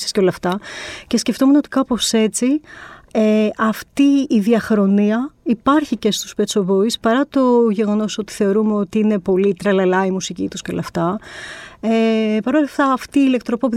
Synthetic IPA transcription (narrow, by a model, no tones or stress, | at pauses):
si̥sceo̞lɐft̪ɐce̞sce̞ft̪o̞meno̞t̪ikɐpo̞se̞t͡si | eʔɐft̪iːðiɐxɾo̞niɐipɐɾçice̞st̪u̥spet̪t͡so̞bo̞ispɐɾɐt̪o̞ʝe̞ɣo̞no̞so̞t̪i̥θe̞o̞ɾumeo̞t̪iine̞po̞lit̪ɾɐlɐlɐimusicit̪usceolɐft̪ɐ | epɐɾo̞lɐft̪ɐːft̪iːle̞k̚t̪ɾopop̬u